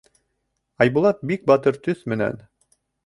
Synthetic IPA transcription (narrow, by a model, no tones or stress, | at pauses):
ɑjbulˠɑt̪̚bik̚bɑt̪ɤɾt̪ɵθmɘ̆næ̰n